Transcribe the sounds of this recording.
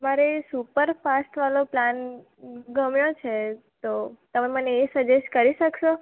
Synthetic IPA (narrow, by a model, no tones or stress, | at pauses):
maɾesupəɾfasʈʋaloplan | ɡəmjot͡ʃʰe | t̪ot̪əmeməneːsəd͡ʒeʃkəɾiʃəkʃo